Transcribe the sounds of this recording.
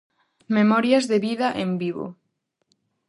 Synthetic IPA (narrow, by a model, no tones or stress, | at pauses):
memɔɾjazðeβiðaʔembiβo̰